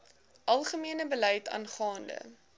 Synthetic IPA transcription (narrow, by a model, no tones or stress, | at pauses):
ʔɐlˠχəmiənəbəlɛjtɑ̰ːnχɑːndə̰